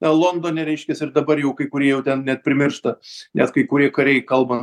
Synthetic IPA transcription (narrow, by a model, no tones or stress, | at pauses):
ɐlˠoːnd̪oːnʲɛɾʲɛɪʃʲkʲɛsɪɾd̪ɐbɐrjɛʊkɐɪkʊɾʲiɛjɛʊt̪ʲɛnnʲɛt̪̚pʲɾʲɪmʲɪrʃt̪ɐnʲɛt̪kɐɪkʊɾʲiɛkɐɾʲɛɪkɐlˠbɐ